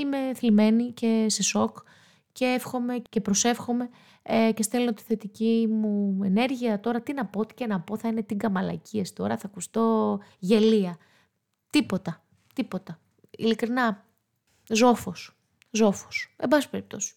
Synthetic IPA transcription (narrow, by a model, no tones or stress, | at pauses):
ime̞θilme̞nice̞seso̞k | ceefxo̞me̞ce̞pɾo̞se̞fxo̞me̞ | cest̪elnot̪i̥θe̞t̪icimuene̞ɾʝiɐt̪o̞ɾɐt̪inɐpot̪i̥cenɐpo̞θɐine̞t̪iŋɡɐmɐlɐ̰ciesi̥t̪o̞ɾɐθɐkust̪o̞ʝe̞liɐ | t̪ipo̞t̪ɐ | t̪ipo̞t̪ɐ | ḭlikɾinɐ | zo̞fos | zo̞fo̥se̞mbɐsispe̞ɾip̚t̪o̞si̥